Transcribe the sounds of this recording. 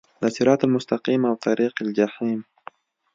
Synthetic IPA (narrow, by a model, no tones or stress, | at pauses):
d̪asɪɾɑːt̪almʊst̪aqiːmawt̪ɑɾiːqald͡ʒaħim